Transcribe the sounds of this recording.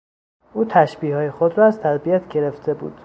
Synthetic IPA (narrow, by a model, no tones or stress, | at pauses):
ʔuːt̪ʰæʃbiːhɒːjexod̪ɾɒːæzt̪ʰæd̪bijæt̪ʰɟe̞ɾe̞ft̪ʰe̞bṵːd̪̥